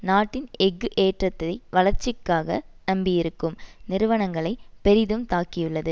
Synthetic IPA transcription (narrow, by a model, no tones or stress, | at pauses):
naːʈːɪnɛɡɯʔeːʈrɐt̪ːɐɐɪʋɐlɐɾt͡ʃːɪkːaːɣɐ̰nɐmbɪjɪɾɯkːɯmnɪɾɯʋɐnɐŋɡɐɭɐɪpɛɾɪðɯmt̪aːkːɪjɯɭːɐðɯ